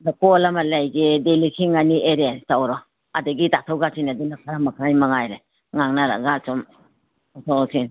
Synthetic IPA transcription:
dɐkolɐmɐlajɡedelisiŋanieɾetawɾɔ | ɐdɐɡitatʰawɡasinadunakʰɐɾamɐkʰajmɐŋajɾe | ŋaŋnaɾa̰ɡasɔm | atʰoasiŋ

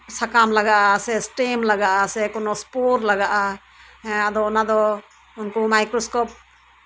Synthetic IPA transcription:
sakamlaɡaʔasɛsʈemlaɡaʔasɛkɔnɔspoɾlaɡaʔa | ad̪ɔɔnad̪ɔ | unkɔmajkɾɔskɔp̚

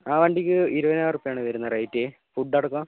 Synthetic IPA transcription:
aːʋɐɳɖikʲːɨiɾuʋɐnaːrupːejaːɳɨʋɐɾunːɐrɐːjitːe | fuɖːɐɽɐkːo

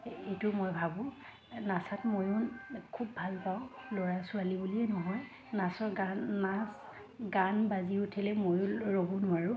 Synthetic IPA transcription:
etʊmojbʱabʊ̃ | nasatmojʊnkʰubʱalpaʊ̃loɹasʊalibuliɛnɔɦɔj | nasɔɹɡanas | ɡanbaziutʰɛlɛmojʊɹobunʊwaɹʊ

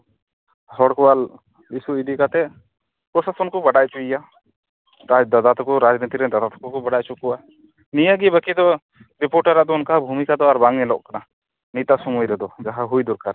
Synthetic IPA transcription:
hɔɽkɔwal | isuid̪ikat̪ɛ | pɾɔsasɔnkɔbaɽajt͡ʃuija | ad̪ad̪at̪ɔkɔɾad͡ʒnit̪iɾɛd̪ad̪at̪ɔ̥kɔkɔbaɽajt͡ʃukɔwa | nijəɡibəkid̪ɔ | ɾipɔɾʈaɾaʔd̪ɔunkabʱumikad̪ɔaɾbaŋɛlɔ̰ʔkana | nit̪asɔmujɾɛd̪ɔd͡ʒaɦaɦujd̪ɔɾkaɾ

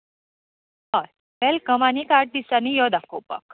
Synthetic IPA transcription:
aɾ | bɛlkəmaniːkaɾʈ̚d̪isanijɔd̪akopə̰k

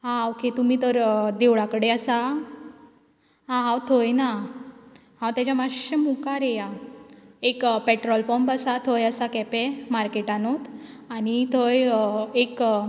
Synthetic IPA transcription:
ɦãokʰet̪um̤iːt̪əɾd̪eʋɭakəɽeəsa | ɦãɦãwt̪ʰojna | ɦãwt̪jat͡ɕjamaɕəmukaɾeja | ekpeʈɾɔlpɔmbəsat̪ʰojəsakɛpemaɾkeʈanot̪aɽ̃it̪ʰəjek

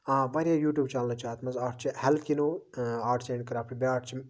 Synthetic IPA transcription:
ãːbaːɾijaːjuːʈʲjuːbt͡ʃaːlnɐt͡ʃaːt̪mɐzaːʈ̚ʰt͡ʃʰihɛlkinoaːʈʰt͡ʃeɳkɐɾaːpʰɾibʲaːʈʰt͡ʃʰim

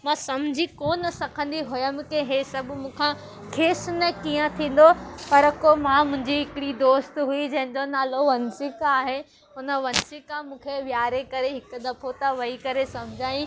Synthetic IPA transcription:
mãːsɐm̤d͡ʑʱikoːnsɐkʰə̃n̆d̪iɦojəmkeɦesɐbʊ̆mũːkʰã | kʰeːsnɐkijə̃t̪ʰĩːn̆d̪opɐɾkomãmʊ̃ɦɪ̃ɲd͡ʑiɦɪkɪɽid̪oːst̪ɦuid͡ʑɐ̃ɦɪ̃ɲd͡ʑonaːloʋɐnsɪkaːɦe | ʊnə̆ʋɐnsɪkãmũːkʰeʋjaːɾekɐɾeɦɪkʊ̆d̪ɐpʰot̪ɐʋɐikɐɾesɐm̤ɪd͡ʑʱaːjĩ

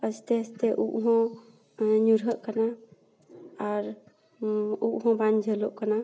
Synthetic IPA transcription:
əst̪ɛəst̪ɛʔuʔɦɔ̃ | ɲuɾɦəʔkana | aɾ | uʔɦɔ̃band͡ʒʱəlɔʔkana

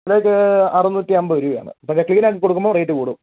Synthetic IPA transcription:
ɽekːɨɐrunːutːiɐmbɐɐɾuʋja̰ːɳɨ̰ɐpːɐɳdekɭiːnaːk̬ːikːoɽukːumboːprɐjiʈːɨkuːɽu

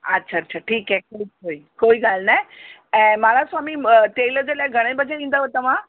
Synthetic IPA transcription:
ətːɕʰaːtːt͡ɕʰaʈʰiːkɛkoikoikoiɡalnajɛ̃malasamit̪eləd͡zeljaɡʱəɽ̃ẽbəd͡ʑeĩnd̪aʋət̪əʋã

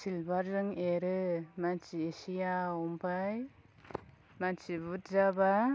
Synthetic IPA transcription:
silbaɾzɯŋeɾɯmant͡ʃiesijaɔmpʰaj | mant͡ʃibut̚zaba

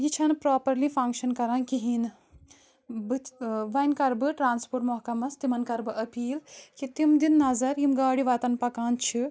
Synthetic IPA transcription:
jit͡ʃʰɐnpɾaːpɐɾlifʰɐŋkʃɐnkɐɾãːnkiɦin | bɨʋɐjnkɐɾbɨʈɾaːnspoːɾʈmɔɦkɐmɐst̪imɐnkɐɾbɨʔɐpiːlkit̪imd̪inːɐzɐɾimɡaːɽiʋɐːt̪ɐnpɐkaːnt͡ʃʰi

